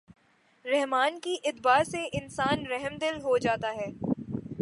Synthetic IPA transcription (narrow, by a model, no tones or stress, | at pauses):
ɾɛɦmaːnkiʔɪd̪baːseʔɪnsaːnɾɛɦəmd̪ɪlɦod͡ʒaːt̪aɦɛː